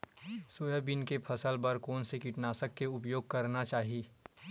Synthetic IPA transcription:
soːjəbɪnkepʰɐsəlbəɾkɔːnsekɪʈnaːsəkːeʊpjoːɡ̚kɐɾnat͡ʃaːɦiieː

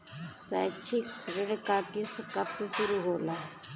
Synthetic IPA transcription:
sɛ̰t͡ʃʰiksɾeɽkaːkɪst̪ʰkɐbseʃʊɾuɦoːlaː

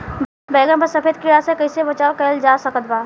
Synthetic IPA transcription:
bɛːɡənpəɾsɐpʰeːd̪̚kiɽasekɐisebɐt͡ʃaːokɛld͡ʒaːsɐkət̪baː

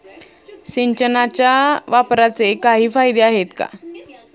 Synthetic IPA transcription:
ɕiɲt͡ɕənat͡ɕjaʋapɾat͡sekaɦiːfajd̪eaɦet̪ka̰

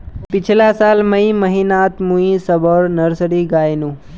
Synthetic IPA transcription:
pɪt͡ʃʰɪlasaːlmɐimɐɦiːnaːt̪mũĩsɐbəɾnɐɾsɽiɡaːjnũː

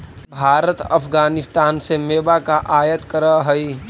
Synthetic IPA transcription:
bʱaːɾət̪ɐ̰pʰɡaːnɪst̪aːnsemeːbakaʔaːjət̪kəɾəɦəi

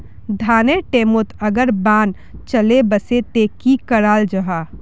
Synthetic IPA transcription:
d̪ʱaːneʈeːmot̪ʰəɡəɾbaːn | t͡ʃəlebəset̪ekikəɽaːld͡ʒəɦa

